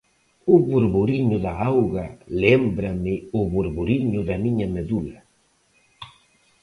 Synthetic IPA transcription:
uβuɾβuɾiɲʊðaawɣalembɾamɪʊβuɾβuɾiɲʊðamiɲameðula

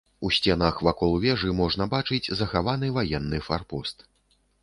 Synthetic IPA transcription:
usʲt͡sʲɛnaxvakɔlˠvʲɛʐɨmɔʐnɐbat͡ʂɨd͡zʲzɐxavanɨvajɛnːɨfarpɔst̪

